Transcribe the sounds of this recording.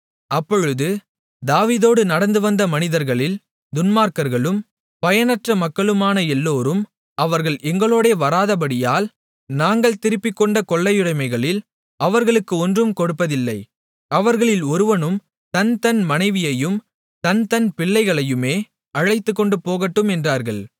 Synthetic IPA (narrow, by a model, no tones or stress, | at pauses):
ɐpːɔɻɯðɯ | d̪aːʋiːðoːɽɯnɐɽɐnd̪ɯʋɐnd̪ɐmɐnɪðɐɾɣɐɭɪl | d̪ʊnmaːɾkɐɾɣɐɭɯm | pɐjɐnɐʈrɐmɐkːɐɭɯmaːnɐɛlːoːɾɯm | ʔɐʋɐɾɣɐɭʔɛŋɡɐɭoːɽeːʋɐɾaːðɐp̬ɐɽɪjaːl | naːŋɡɐɭt̪ɪɾɯpːɪkːɔɳɖɐkɔɭːɐjʊɽɐɪmɐɪɣɐɭɪl | ɐʋɐɾɣɐɭɯkːɯɔndrɯmkɔɽɯpːɐðɪlːɐɪ | ɐʋɐɾɣɐɭɪlɔɾɯʋɐnɯm | t̪ɐnt̪ɐnmɐnɐɪʋɪjɐjɯm | t̪ɐnt̪ɐnpɪɭːɐɪɣɐɭɐjɯmeː | ɐɻɐɪt̪ːɯkːɔɳɖɯpoːɣɐʈːɯmɛndraːɾɣɐ̰ɭ